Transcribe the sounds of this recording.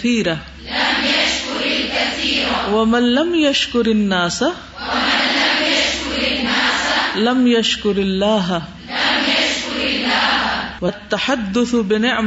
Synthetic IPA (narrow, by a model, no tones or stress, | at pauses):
θiːɾa | lamjaʃkʊɾlkaθːɾwamanlamjaʃkʊɾɪnːaːsa | aamjaʃkʊɾnːaːslamjaʃkʊɾalːaːɦa | lmjaʃkʊɾlːaːwɐt̪ːaħad̪ːʊθbɪnɪʕm